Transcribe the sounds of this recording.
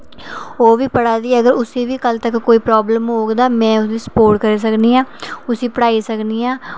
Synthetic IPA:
oːʋiːpəɽaːd̪iːəɡəɾʊseːʋiːkəlt̪əkːoːiːpɾɔːbləmɦoːɡd̪aːmɛ̃ːʊsd̪iːsə̥poːɾʈ̚kəɾeːs̬əkniːãːʊsiːpəɽaːiːsəkniːaː

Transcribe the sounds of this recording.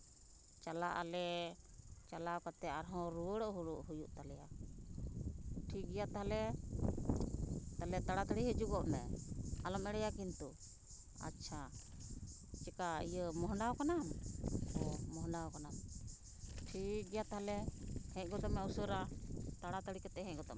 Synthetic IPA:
t͡ʃalaʔalɛ | t͡ʃalawkat̪ɛaɾɦɔ̃ɾuwəɽɔʔɦuɽuʔɦujuʔt̪alɛja | ʈʰik̚ɡɛjat̪aɦalɛ | t̪alɛt̪aɽat̪aɽiɦəd͡ʒuɡɔʔnɛalɔmɛɽɛjakint̪u | a̰tːt͡ʃʰa | t͡ʃɛkaijəmɔɦɳɖawkanamɔmɔɦɳɖaɔkanam | ʈʰik̚ɡɛjat̪aɦalɛhɛ̃ʔɡɔd̪ɔmɛusəɾat̪aɽat̪aɽikat̪ɛɦɛ̃ʔɡɔd̪ɔm

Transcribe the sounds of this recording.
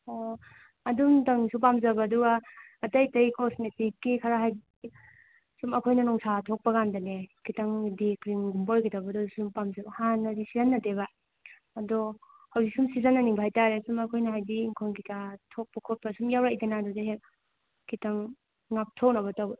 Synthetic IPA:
o | ɐdumtaŋsup̬amzɐbaːduɡaːtɐjtɐjkɔsmetikːikʰaɾaɦajdi | sumɐkʰojnɐnɔŋsatʰok̚pɐɡandanekʰitaŋdikɾimɡumbojkitabɐdɔsumpamzɐbɐhanːɐdisizanːɐteβaː | dɔ | hawzik̚sumsizanːaniŋbʰʱajtaɾesumɐkʰojnɐɦajdiːŋkʰonkikatʰok̚pɐkʰot̚pasumjawɾajdɐnadɔdaɦek | kʰitaŋː | ap̚tʰok̚nɐβɐtawbɐ

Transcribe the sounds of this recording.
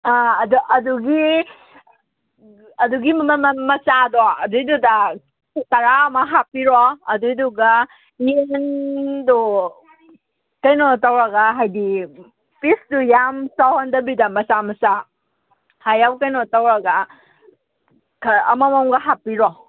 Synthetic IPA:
aɐduʔɐduɡi | ɐduɡimmɐt͡ʃadɔɐduiduda | tɐɾamɐɦapiɾɔːdujduɡa | eŋŋdɔ | kɐjnɔtawɾɐɡaɦajdi | pisdujamsawhɔndɐbidamɐt͡ʃamɐsa | hajawkɐjnɔtawɾɐɡa | kʰɐ̰mamɔmɡɐɦapːiɾɔ

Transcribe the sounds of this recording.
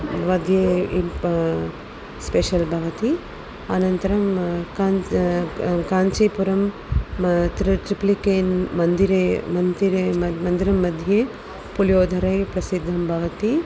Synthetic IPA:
ʋɐd̪ʱjeip | speʃɐlbʱɐʋɐt̪i | ɐnɐnt̪ɐɾɐmka | kaːɲt͡ʃipuɾɐm | t̪ɾiʈ̪ɾiplikeːnmɐnd̪iɾemɐnd̪iɾeɐmɐnd̪iɾɐmːɐd̪ʱje | puljoːd̪ʱɐɾɐjpɾɐsid̪ʱːɐmbʱɐʋɐt̪i

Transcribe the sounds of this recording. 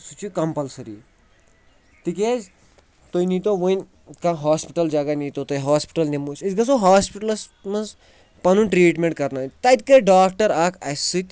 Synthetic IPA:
sut͡ʃikɐmpɐlsɐɾḭ | t̪ik̬ʲezʲ | t̪ojnit̪oʋonʲ | kãɦaːspiʈɐld͡ʒaɡɐnit̪ot̪ojɦaːspi̥ʈɐlnʲemusɐt̪ɡɐsoɦaːspiʈɐlɐsmɐnz | pɐnũnʈɾiːʈmẽɳʈkɐɾnaːt̪ɐt̪̚ʲkɐɖaːkʰʈɐɾaːkʰɐ̰sɨt̪ʲ

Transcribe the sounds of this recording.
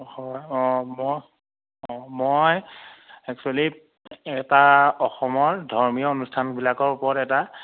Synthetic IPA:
hɔjɔ̃mɔ | ɔ̃moj | ɛk̚t͡ʃuali | ɛtaɔxɔmɔɹdʱɔɹmijɔonustʰanbilakɔɹupɔɹɔtɛta

